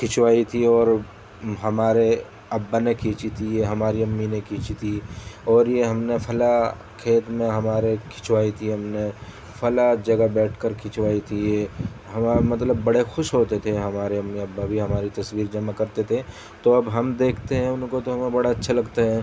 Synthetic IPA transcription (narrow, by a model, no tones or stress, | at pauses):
kʰɪt͡ʃʋaːit̪ʰiɔːɾ | ɦɐmaːɾe | ɐbːanekʰiːt͡ʃit̪ʰijeɦɐmaːɾiɐmːinekʰiːt͡ʃit̪ʰiɔːɾjeɦɐmnepʰɐla | kʰeːt̪mẽɦɐmaːɾekʰɪ̥t͡ʃʋaːit̪ʰiɦɐmne | pʰɐlad͡ʒɐɡabɛːʈʰkəɾkʰɪt͡ʃwaːit̪ʰije | ɦɐmamɐt̪ləbːɐɽexʊʃɦoːt̪et̪ʰeɦɐmaːɾeɐmːiɐbːabʱiɦɐmaːɾit̪ɐswiːɾd͡ʒɐmakɐɾt̪et̪ʰe | t̪oɐbɦɐmd̪eːkʰt̪eɦɛ̃ʊnkot̪oɦɐmẽbɐɽaɐtːʃʰalɐɡt̪eɦɛ̃ː